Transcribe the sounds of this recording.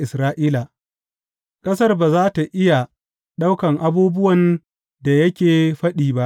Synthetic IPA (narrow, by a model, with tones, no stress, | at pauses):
ɪ˨sɾaː˦ʔiː˦la˨ | kʼɐ˦sɐ˦rbaː˨zaː˦ta˨ʔɪ˦ja˨ | ɗa˦wkɐ˨ŋʔa˦buː˦bʊ˦wɐ˨n | da˨jɐ˦kʲeː˨ɸɐ˦ɗiː˨ba˦ʔ